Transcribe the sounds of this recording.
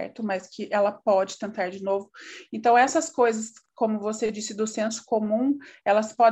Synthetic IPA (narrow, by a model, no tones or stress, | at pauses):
ɛ̰ɾt̪ʊmɐskʰɪʔɛlɐpɔd͡ʒɪ̥t̪ẽnt̪aɾd͡ʒɪnovʊẽnt̪ɐ̃w̃ɛsɐskojzɐskõmʊvosed͡ʒisɪd̪ʊsẽsʊ̥komũɛlɐspɔd̪